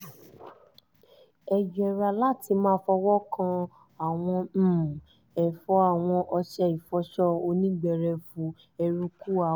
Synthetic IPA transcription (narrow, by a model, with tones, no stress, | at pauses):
ɛ˨d͡ʒɛ˨ɾa˧la˦˨tʰi˧mãː˦fɔ˧wɔ˦kã˧ | a˨w̃ɔ̃˧˦˨ | ɛ˨fɔ˧˦a˦˨w̃ɔ̃˧ʔɔ˧ʃɛ˧˨i˨fɔ˧˦ʃɔ˦o˧nĩ˦ɡ͡bɛ˧˨ɾɛ˧fũ˧˦ | ɛ˧ɾu˧ku˦a˨